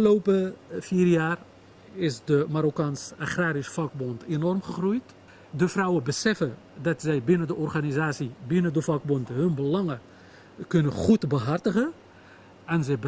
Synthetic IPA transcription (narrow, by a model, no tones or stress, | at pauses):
lowpəfiːrjaːr | ɪsdəmaɾokaːnsaχraːɾisfɑk̚bɔntenɔrmχəχrujt | dəfrʌwəbəsɛfə | dɑtsɛjbɪnəndəʔɔrχanizaːsibɪnədəfɑk̚bɔntɦɵnbəlɑŋə | kɵnəχutbəɦɑrtəχə | ɛnzɛj